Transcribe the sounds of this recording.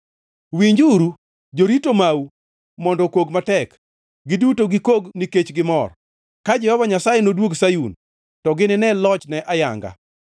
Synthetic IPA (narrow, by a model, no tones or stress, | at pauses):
wiɲd͡ʒuɾu | d͡ʒoɾitomaw | mɔndɔkoɡmatɛk | ɡɪdutoɡɪkoɡniket͡ʃɡɪmɔr | kad͡ʒɛhɔvaɲasajenodwoɡsajun | tɔɡɪnɪnɛlɔt͡ʃnɛʔaja̰ŋɡa̰